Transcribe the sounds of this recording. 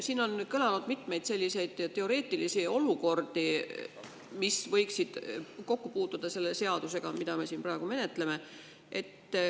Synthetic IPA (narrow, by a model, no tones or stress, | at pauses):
siːno̞nkɤlɑnud̪̥mit̪ˑme̞jd̪̥se̞lʲːise̞jd̪̥ɑt̪e̞o̞ɾe̞ːt̪ːˑilisio̞luko̞rd̪̥i | misvɤjksid̪̥ko̞kːupuːt̪ːˑud̪̥ɑse̞lːe̞se̞ɑd̪̥use̞ɡ̥ɑmid̪̥ɑme̞siːnpɾɑˑe̞ɡume̞ne̞t̪ˑle̞me̞ | ʔe̞t̪ː